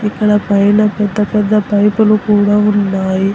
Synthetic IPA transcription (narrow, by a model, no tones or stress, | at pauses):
ikːɐɭɐpɐjinɐpɛd̪ːɐpɛd̪ːɐpɐjpɐlukuːɽaunːaːji